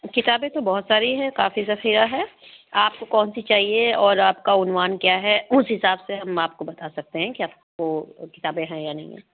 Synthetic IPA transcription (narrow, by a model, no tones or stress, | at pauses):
kɪt̪aːbẽt̪obɔɦʊt̪saːɾiɦɛkaːfizɐxiːɾaɦɛːaːp̚kokɔːnsit͡ʃaːɦieɔːɾaːpkaʊnʋaːnkjaːɦɛʊsɦɪsaːbseɦɐmaːp̚kobɐt̪asɐk̚t̪eɦɛ̃kiaːp̚kokɪt̪aːbẽɦɛ̃janɐɦḭ̃ɦɛ̰̃